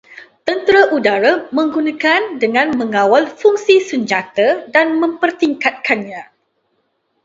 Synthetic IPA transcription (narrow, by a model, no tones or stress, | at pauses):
t̪ənt̪əɾaʔudaɾamə̃ŋɡunãkandəŋãnmə̃ŋãwalfuŋsisəɲd͡ʒat̪ədanmə̃mpərt̪iŋkat̪̚kanɲã